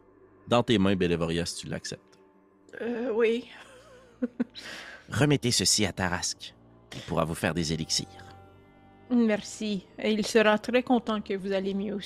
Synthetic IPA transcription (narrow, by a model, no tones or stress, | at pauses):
d̪ɑ̃t̪emɛ̃belevɔʁjast̪yla̰ksɛ̰p̚t̪ | wi | ʁəmɛt̪esəsiat̪aʁaskʲ | ilpuʁa̰vufɛ̰ːʁd̪ezeliksḭːʁ | mɛʁsieilsəʁat̪ʁɛkɔ̃t̪ɑ̃kəvuzalemjø